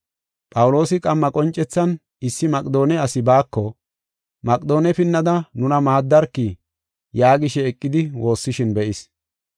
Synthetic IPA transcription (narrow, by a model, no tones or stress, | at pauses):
pʼɐwʊlo̞ːsɪkʼɐmːɐkʼɔnt͡ʃʼːɛt͡sːɐn | ɪsːɪmɐkʼd̪o̞ːnɛɐsɪbaːkːɔ | mɐkʼd̪o̞ːnɛpɪnːɐd̪ɐnʊnɐmaːd̪ːɐɾkːi | jaːɡɪʃɛːkʼːɪd̪ɪwo̞ːsːɪʃɪnbɛʔɪs